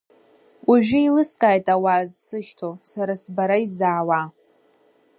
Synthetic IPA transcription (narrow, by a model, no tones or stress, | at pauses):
uʒᶣʊilɨskʼaːjtʼawazsɨʃtʰosaɾasbaɾaizaːwa